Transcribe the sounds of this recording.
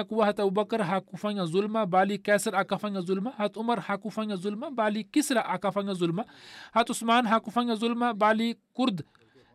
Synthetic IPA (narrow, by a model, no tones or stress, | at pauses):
akuwaɦɐt̪ɐbubɐkəɾɦaːkufaŋazulmabaːlikɛːsɐɾakafaŋazulmaɦɐt̪umɐɾhaːkufaŋɡazulmabaːlikisɾaʔakafaŋɡazulmahɐt̪usmaːnɦakufaŋɡazulmabaːlikuɾd̪